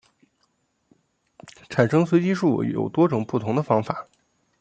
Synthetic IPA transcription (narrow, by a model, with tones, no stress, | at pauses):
ʈ͡ʂʰa˨˩nʂɤ˥ŋswe˧˥ɪt͡ɕi˥ʂu˥˩jo̰˨˩ʊt̪wɔ˥ʈ͡ʂʊ˨˩ŋpu˥˩t̪ʰʊ˧˥ŋd̪ə˧fɑ˥ŋfa˨˩˦